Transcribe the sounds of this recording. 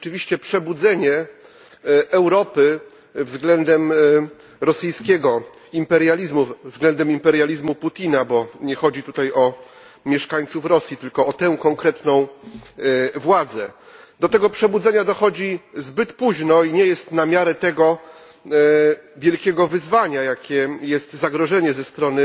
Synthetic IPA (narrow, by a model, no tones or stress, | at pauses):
ɔt͡ʂɘvʲiɕt͡ɕɛpʂɛbud̪zɛɲɛ | ɛwɾɔpɘ | vzɡlɛnd̪ɛm | ɾɔsɘjskʲɛɡɔ | impɛɾjalʲizmuvzɡlɛnd̪ɛmimpɛɾjalʲizmuput̪ʲinabɔɲɛxɔd͡ʑit̪ut̪ajɔ | mʲjɛʂkaɲt̪sufɾɔsʲjit̪ɘlkɔːt̪ɛkɔŋkɾɛt̪nɔ̃w̃ | vwad̪zɛ | d̪ɔt̪ɛɡɔpʂɛbud̪zɛɲad̪ɔxɔd͡ʑizbɘt̪puʑnɔiɲɛjɛst̪namʲjaɾɛt̪ɛɡɔ | vʲjɛlkʲɛɡɔvɘzvaɲajakʲɛjɛst̪zaɡɾɔʐɛɲɛzɛst̪ɾɔnɘ